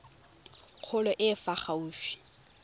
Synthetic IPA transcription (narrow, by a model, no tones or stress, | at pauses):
q͡χʰʊlɔʔɪfaχauːʃi̥